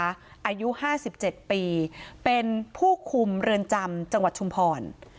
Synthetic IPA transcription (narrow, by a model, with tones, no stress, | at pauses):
ʔaː˧ju˦˥haː˥˩si˨˩p̚t͡ɕe˨˩t̪̚piː˧pe˧npʰuː˥˩kʰu˧mɾɯ˧ənt͡ɕa˧mt͡ɕa˧ŋwa˨˩t̪̚ʰu˧mpʰɔː˧n